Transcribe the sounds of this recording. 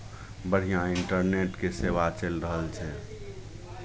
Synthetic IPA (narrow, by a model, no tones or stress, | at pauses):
bəɽ̤ijãɪɳʈəɾneʈkeseʋat͡ʃelɾəɦəlt͡ʃʰɛ